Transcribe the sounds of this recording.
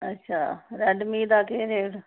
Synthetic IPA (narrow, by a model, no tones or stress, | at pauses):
ətːʃʰa̰ːɾɛːɖmiːd̪aːkeːɾeːɽ